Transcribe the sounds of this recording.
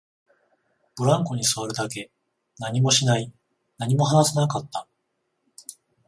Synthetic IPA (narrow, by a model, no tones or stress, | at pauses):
b̥ɯ̟ɾãŋko̞ɲ̟isɨβaɾɯ̟d̪ake̞ | naɲ̟imo̞ɕinai | naɲ̟imo̞ɦanasenakat̪ːa